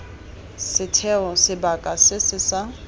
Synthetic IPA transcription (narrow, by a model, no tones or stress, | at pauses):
sɪtʰɛɔsɪbakʼasɪsɪsa